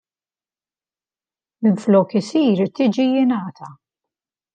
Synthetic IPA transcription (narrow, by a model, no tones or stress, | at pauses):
mɪnflɔːkɪsiːɾt̪iːd͡ʒijɪnɐːt̪ʰɐ